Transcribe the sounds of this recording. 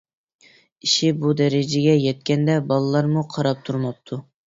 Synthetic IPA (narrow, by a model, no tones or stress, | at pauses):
iʃibud̪ɛɾɪd͡ʒɪɡʲɛjɛt̪̚kʲɛnd̪ɛbɑlˠɨlˠɑɾmuqʰɑɾɑp̚t̪ʰuɾmɑp̚t̪ʰu